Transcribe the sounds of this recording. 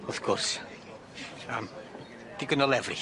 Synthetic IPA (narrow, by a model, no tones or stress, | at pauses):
ɔθɡɔrs | əm | d̥iɡənɔlˠɛvrɪ̰